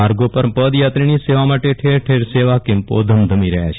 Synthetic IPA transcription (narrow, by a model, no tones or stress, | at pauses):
aɾɡopəɾpəd̪jat̪ɾiniseʋamaʈeʈʰeɾʈʰeɾseʋakempo̰d̪ʱəmd̪ʱəmiɾəɦja̰t͡ʃʰ